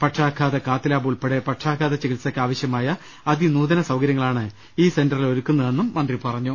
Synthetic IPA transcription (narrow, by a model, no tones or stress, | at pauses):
pɐʈʂaːkʰːaːðɐkaːt̪ːilaːbuːɭpeɽepɐʈʂaːkʰːaːðɐt͡ɕeɣilsɐkːɨaːʋɐɕjɐmaːjɐ | ɐd̪inuːðɐnɐsɐwkɐɾjɐŋːɐɭaːɳɨ | iːse̞ndɐrilo̞ɾukːunːɐðe̞nːumːɐnd̪ripɐrɐɲːu